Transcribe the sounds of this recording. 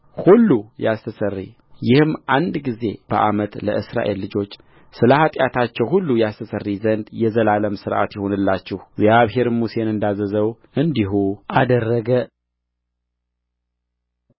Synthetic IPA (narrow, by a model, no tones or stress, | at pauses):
hulːujast̪ʰəsərːḭ | jɪhɨmʔand̪ɡize̞b̥əʔamət̪lə̰ʔɨsɾa̰ʔe̞lːɨd͡ʒo̞t͡ʃː | sɨləhat̪ʼjat̪ʰat͡ʃːɛwhulːujast̪ʰəsərːizənd̪jɛzəlaləmsɨɾʔa̰t̪jɛho̞nɨlːat͡ʃːɪhɡzijaβɦe̞ɾmuse̞nɨnd̪azəzəwʔɨnd̪iɦuʔad̪ərːəɡə